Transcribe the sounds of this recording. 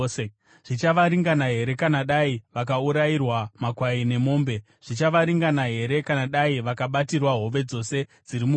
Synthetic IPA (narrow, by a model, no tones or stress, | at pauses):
e | ʐ̥it͡ʃaʋaɾiŋɡanaɦe̞ɾe̞kanaɗaiʋak̬auɾairwamakwaine̞mo̞ːmbe̞ | ʐ̥it͡ʃaʋaɾiŋɡanaɦe̞ɾe̞kanaɗaiʋakaɓatirwaɦo̞ʋe̞d͡zo̞se̞d͡ziɾimu